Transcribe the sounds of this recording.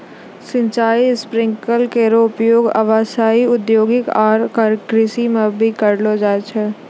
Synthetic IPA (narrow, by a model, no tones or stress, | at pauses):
sɪ̃ɲt͡ʃaːispɾɪ̃ŋkəlkeɾopjoːɡə̰ʋaːsaːiʊd̪joːɡɪkaːɾkaɾkɾɪsimãbʱikəɾlod͡ʒaːet͡ʃʰɛ